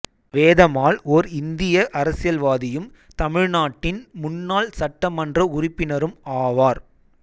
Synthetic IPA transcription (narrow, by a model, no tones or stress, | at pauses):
ʋeːðɐmaːlɔɾɪnd̪ɪjɐʔɐɾɐsɪjɐlʋaːðɪjɯm | t̪ɐmɪɻnaːʈːɪnmʊnːaːlsɐʈːɐmɐndrɐʊrɪpːɪnɐɾɯmaːʋaːɾ